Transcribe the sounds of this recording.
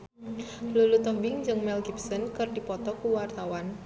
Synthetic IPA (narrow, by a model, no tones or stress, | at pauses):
lulut̪ɔbɪŋd͡ʒɨŋmɛlɡipsɔnkɨrdipɔt̪ɔkuwart̪awan